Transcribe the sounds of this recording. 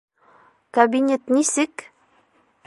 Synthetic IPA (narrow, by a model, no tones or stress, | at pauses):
kabʲinʲet̪nisɘk